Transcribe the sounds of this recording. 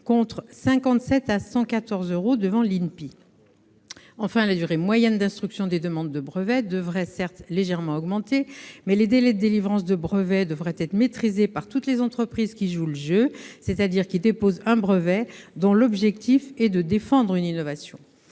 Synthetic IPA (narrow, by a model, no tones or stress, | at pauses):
kɔ̃t̪χsɛ̃kɑ̃t̪sɛt̪asɑ̃kat̪ɔʁzøʁod̪əvɑ̃linpi | ɑ̃fɛ̃lad̪yʁemwajɛnd̪ɛ̃st̪χyksjɔ̃d̪ed̪əmɑ̃d̪ːəbʁəvɛd̪əvʁɛsɛʁt̪leʒɛʁmɑ̃ɔɡmɑ̃t̪emɛled̪elɛd̪əd̪elivʁɑ̃s̬d̪əbʁəvɛd̪əvʁɛt̪ɛt̪χmet̪χizepaʁt̪ut̪lezɑ̃t̪χəpχizkʲiʒuləʒøsɛt̪ad̪iʁkʲild̪epozɛ̃bʁəvɛd̪ɔ̃lɔbʒɛk̚t̪ifɛd̪əd̪efɑ̃d̪ʁyninɔvasjɔ̃